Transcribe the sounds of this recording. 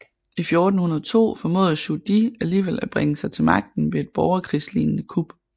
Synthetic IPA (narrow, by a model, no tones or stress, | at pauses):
ifjo̝ːd̥n̩hunɐðˠt͡sʰo̝̰ːfɒ̽mo̝̰ːðˠɕud̥iæliːʋel̰æb̥ʁeŋəsɑ̈ɪt͡sʰe̝lmɑ̈ɡ̥̚d̥n̩ʋe̝e̝d̥̚b̥ɒʊɐkʰʁḭslḭːnnəkʰub̥